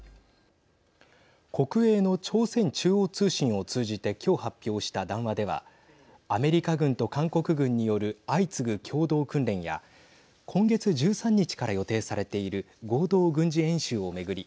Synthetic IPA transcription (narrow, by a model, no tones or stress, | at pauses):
kʰo̞kɯ̟e̞ːno̞t͡ɕo̞ːsẽ̞ɲt͡ɕɨːoːt͡sɨːɕĩɰ̃o̞t͡sɨːʑit̪e̞kʲo̞ːhapʲːjo̞ːɕi̥t̪ad̪ãɰ̃βad̪e̞β̞a̰ | ame̞ɾʲikaɡɯ̟̃nt̪o̞kãŋko̞kɯ̟ɡɯ̟̃ɲ̟ːijo̞ɾɯ̟ait͡sɨɡɯ̟kʲʰo̞ːd̪o̞ːkɯ̟̃nɾẽ̞ɰ̃ja̰ | kʰõ̞ŋɡe̞t͡sɨʑɨːsãɲ̟ːit͡ɕi̥kaɾajo̞t̪e̞ːsaɾe̞t̪e̞iɾɯ̟ | ɡo̞ːd̪o̞ːɡɯ̟̃ɲ̟d͡ʑiẽ̞ɰ̃ɕɨːo̞me̞ɡɯ̟ɾʲi